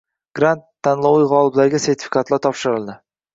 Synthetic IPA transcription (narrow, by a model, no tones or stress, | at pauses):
ɡ̥ɾant̪ʰːanlˠɒwijʁɒlˠɪblaɾɡʲase̞ɾt̪ʰɪ̥fɪ̥kat̪laɾt̪ʰɒpʃɪɾɪlˠd̪ɪ